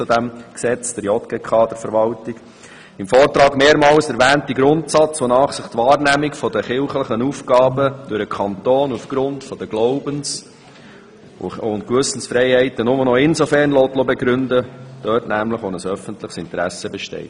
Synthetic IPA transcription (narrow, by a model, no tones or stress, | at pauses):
t͡sudæmksɛt͡sd̥əɾjɔtɡ̥ɛkʰɑːdəfəɾʋɑltɪɡ̥ | ɪmfɔːɾtɾɑːɡmeːɾmɑːlsɛɾʋæːntiɡɾʊntsɑt͡sʋonɑːχsɪχtvɑːɾnæmɪkfɔdəχɪlχləχənuːfɡɑːbəd̥ʉɾəkʰɑntoːnufɡ̥ɾʊndfɔd̥̪əɡ̥loʊbəns | ʊntkʋʏsn̩sfɾɛɪhɛɪtənʊmənɔɪnzofɛrnloːtlobɛɡɾʏndəd̥œːtnæmləχʋonəsœfəntlɪχsɪnt̪əɾæ̰səbɛʃtɛ̰ɪt